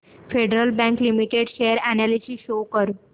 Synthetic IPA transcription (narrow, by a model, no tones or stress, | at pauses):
feɖɾəlbæ̃ŋklimiʈeɖɕejəɾænælisiːɕokəɾ